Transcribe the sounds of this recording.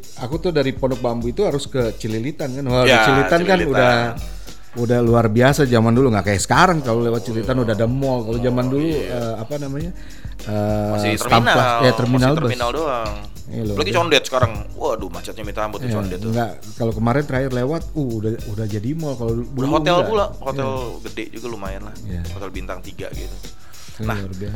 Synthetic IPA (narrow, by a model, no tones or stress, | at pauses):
akut̪ʊhdaɾiponɔk̚bambuit̪uɦaɾʊskət͡ʃəlilit̪ankanwait͡ʃilit̪ankanudah | udahluarbiasad͡ʒamanduluŋɡaʔkajasə̥kaɾaŋkalolewat̪̚t͡ʃəlit̪anudahdamɔlkalod͡ʒamanduluəapanamaɲa | ət̪amlajat̪ərminalbəinaldoaŋ | ḭalulaɡit͡ʃɔndɛt̪sə̥kaɾaŋwadumat͡ʃat̪̚ɲabint̪ambut̪t͡ʃɔndɛt̪ŋɡaʔ | kalokəmaɾɛnt̪əɾaɪrlewat̪̚uhudaudahd͡ʒadimɔlkalodulhout̪ɛlpulahoj̪ɛlɡədɛʔd͡ʒuɡalumajɪnlahijahot̪ɛlbint̪aŋt̪iɡa̰ɡḭt̪u | naluarbias